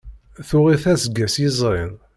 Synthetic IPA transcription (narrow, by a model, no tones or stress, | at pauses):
θʊʁiθæzɡːæsjizˤɾɪn